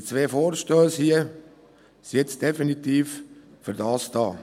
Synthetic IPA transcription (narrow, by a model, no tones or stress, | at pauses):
t͡sʋeːfoːɾʃtøːshiə | sɛt͡sd̥efinit̪iːf | fʏɾdɑːsd̥ɑː